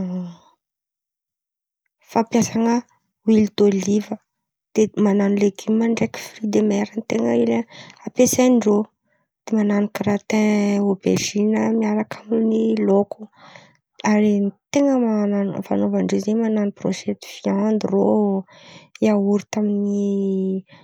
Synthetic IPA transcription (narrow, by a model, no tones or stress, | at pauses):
fapjasaŋə | wild̪olivə | d̪̥emananileɡimaɳɖ͡ʐeki̥frid̪emɛɾənt̪eŋəileapesajɳɖ͡ʐo | d̪̥emananikɾat̪ɛ̃obḛʒinəmiaɾakʰamniloku | aɾint̪eŋəmananvanovaɳɖ͡ʐezemananipro̰ʃɛt̪i̥fiand̪iro | iauɾit̪amini